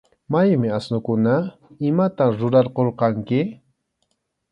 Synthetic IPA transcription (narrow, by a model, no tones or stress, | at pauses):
majmɪasnʊkʊna | ɪmat̪aɾʊɾɑɾqoɾqɑŋkɪ